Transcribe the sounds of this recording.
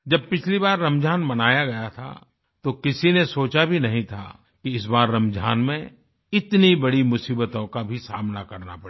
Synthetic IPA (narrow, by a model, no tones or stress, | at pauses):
d͡ʒɐb̚pɪt͡ʃʰlibaːɾːɐ̃md͡ʒʱaːnmɐnaːjaɡɐjat̪ʰa̰ | t̪okɪsinesoːt͡ʃabʱinɐɦĩt̪ʰa̰ | kiɪs̬baːɾːɐmd͡ʒʱaːnmẽ | ɪt̪nibɐɽimʊsiːbət̪õkabʱisaːmnakɐɾna̰pɐ